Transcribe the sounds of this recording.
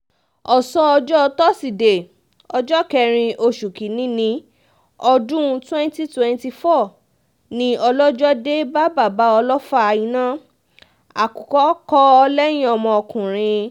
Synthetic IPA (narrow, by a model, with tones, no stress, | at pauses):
ɔ˨sɔ̃˧ɔ˧d͡ʒɔ˦˧tɔ˦si˨de˨ | ɔ˧d͡ʒɔ˦kɛ˧ɾ̃ĩ˧ʔo˧ʃu˨ki˨nĩ˨˦nĩ˧ | ɔ˧dũ˦˧twɛ̃˦n˦ti˦twɛ̃˦˧nti˧fɔ˦˨ | nĩ˧ʔɔ˧lɔ˦d͡ʒɔ˦de˦ba˦ba˦˨ba˨˦ɔ˧lɔ˦fa˦˧jĩ˧nã˦ | a̰˨ku˨kɔ˨˦kɔ˦ɔ˧lɛ˦j̃ĩ˦ɔ˧mɔ̃˧ɔ˧kũ˨ɾ̃ĩ˧